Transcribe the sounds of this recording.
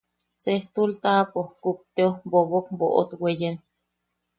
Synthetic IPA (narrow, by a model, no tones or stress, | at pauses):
t͡seht̪ult̪apohkup̚t̪eohboβokmboʔo̰t̪wejen